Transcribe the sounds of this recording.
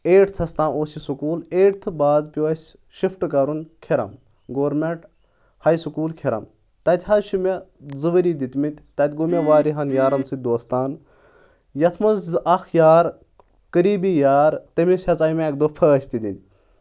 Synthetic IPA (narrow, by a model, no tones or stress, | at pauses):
eːʈt̪ʰɐst̪ãːnoːsisukuːleːʈt̪ʰɨbaːzpʲiʋɐsʲ | ʃifʈɨkɐɾunkʰeɾɐ̰m | ɡoːɾmeɳʈ | hɐjsukuːlkʰeɾɐ̰m | t̪ɐt̪ʲhɐzʃimezɨʋɐɾid̪it̪ʲmit̪ʲt̪ɐt̪ʲɡomʲeʋaːɾiɦɐnjaːɾɐnsɨd̪oːst̪aːn | jɐt̪ʰmɐzɐxjaːɾ | kəɾiːbijaːɾt̪ɐmʲisʲɐt͡sɐjmeek̚d̪opʰəːɐsʲt̪id̪ḭnʲ